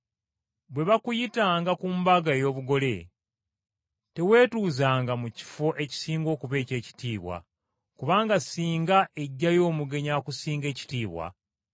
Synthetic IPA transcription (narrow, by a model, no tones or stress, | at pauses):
βwe̞βakujitaːŋɡakumbaɡaejo̞ːβuɡo̞le̞ | te̞we̞ːtuːzaːŋɡamuci̥foʔe̞ci̥siːŋɡo̞ːkuβe̞ːce̞ːci̥tiːβwa̰ | kuβaːŋɡasiːŋɡae̞ɟːajo̞ːmuɡe̞ɲakusiːŋɡe̞ːci̥tiːβwa̰